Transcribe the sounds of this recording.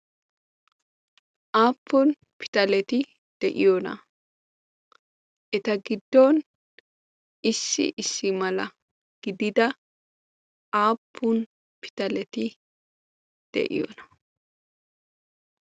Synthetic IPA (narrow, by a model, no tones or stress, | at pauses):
ʔaːpʰːʊn | pɪ̥t̪ɐlɛt̪ɪ | d̪̥ɛʔɪjonɐ̰ | ʔɛt̪ɐɡɪd̪ːɔn | ɪsːɪ̰ʔɪsːɪmɐlɐ | ɡ̥ɪd̪ɪd̪ɐ | aːpʰːʊn | pɪ̥t̪ɐlɛt̪ɪ | d̪̥ɛ̰ʔɪ̰jɔ̰nɐ̥